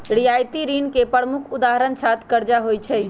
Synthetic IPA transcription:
ɾijajt̪iɾinkepəɾmukʰud̪aɦəɾənt͡ʃʰat̪kəɾd͡ʒaɦojt͡ʃʰəj

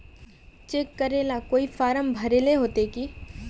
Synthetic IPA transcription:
t͡ʃeːkːəɾeːlakoːifaːɾəmbʱɐɾeːleɦoːt̪eki

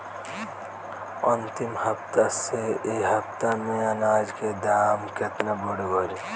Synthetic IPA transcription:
ənt̪imhəpt̪aseeɦəpt̪amẽənaːd͡ʒked̪aːmket̪naboɽebəɾi

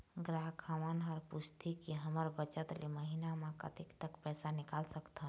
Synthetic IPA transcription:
ɡɾaɦkʰamənɦɔɾpust̪ʰikiɦəməɾbət͡ʃət̪leməɦinamekə̰t̪ikt̪əkpɛːsanikalsəkt̪ɦə

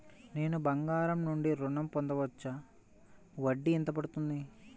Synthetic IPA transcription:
ne̞ːnubɐŋɡaːɾɐmnuɳɖiɾuɳɐmpond̪ɐʋɐt͡ʃːɐ | ʋɐɖːiːnt̪ɐpɐɽut̪und̪i

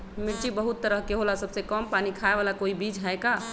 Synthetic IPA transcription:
miɾt͡ʃibəɦut̪ːəɾəɦkeɦolasəbsekəmpanikʰaeʋalakoibid͡ʒɦaeka

